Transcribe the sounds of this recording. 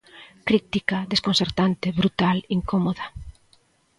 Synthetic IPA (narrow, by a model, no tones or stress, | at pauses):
kɾit̪ikaðeskonseɾt̪ant̪ɪβɾut̪aliŋkomoðɐ